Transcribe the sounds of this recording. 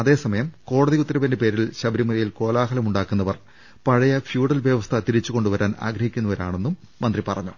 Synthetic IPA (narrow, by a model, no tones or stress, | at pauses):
ɐðe̞ːsɐmɐjɐmko̞ːɽɐðikut̪ːɐɾɐbɐndepe̞ːɾilɕɐbɐɾimɐɾɐjilko̞ːlaːɦɐlɐmuɳɖaːkːunːɐʋɐr | pɐɻɐjɐfjuːɽɐlʋjɐʋɐst̪ʰɐt̪iɾit͡ɕːuko̞ɳɖuʋɐɾaːna̰ːɡɾɐhikʲːunːɐʋɐɾaːɳe̞nːumːɐnd̪ripɐrɐɲːu